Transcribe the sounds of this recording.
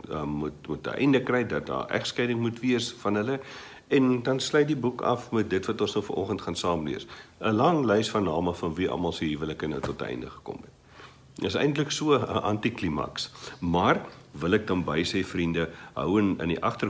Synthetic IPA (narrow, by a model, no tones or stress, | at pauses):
əmutmutə̰ʔɛ̰jndəkrɛjdɐt̚dɑ̰ːʔæ̰χskɛjdəŋmutviəsfɐnɦələ | ɛndɐnslœjt̚dibukɐ̰fmɛt̚dətvɐtɔ̃nsnəwfəɾʔɔχəntχɑnsɑːmlḭəsəlɐŋlɛjsfɐrnɑːməfɐnviʔɐ̰mɐlˠsəɦivələkənəwtɔt̚ə̰ɛ̰jndəχə̥kɔ̰mɛt | dəsɛ̰jntləksuəə̰ʔɐntiklimɐ̰ksmɐrvəlɛk̚dɐnbɐjsɛjfrindəɦœ̰wənə̰niʔɐχtər